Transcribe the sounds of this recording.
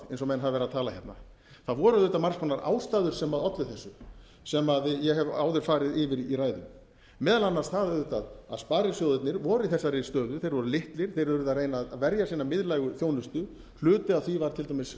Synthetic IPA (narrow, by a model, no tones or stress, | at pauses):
ejnsɔmɛnɦavvɛɾat̪ʰaːlaçɛpt̪na̰ | θaðvɔːɾʏaðʏːt̪amaɾrskʰɔnːaɾʔa̰ːwst̪aːðʏɾ̥sɛmaðɔt̪lɪθɛsːʏ | sɛmaðjɛɦɛvaːwðʏɾ̥faːɾɪðɪvɪɾiɾaːjðʏ̰m | mɛːðalanːaɾ̥st̪θaððʏt̪aðaðspaːɾɪsjowðɪt̪nɪɾvɔɾʏiθɛsːaɾɪst̪œːðʏθejɾvɔɾʏlɪht̪lɪɾ̥θejɾʏɾʏðaðreːjnaðavɛɾjasiːnamɪðlajɣʏθjoːwnʏst̪ʏ | l̥ʏːt̪ʏaðθvivaɾt̪ʰɪlt̪ʰamɪs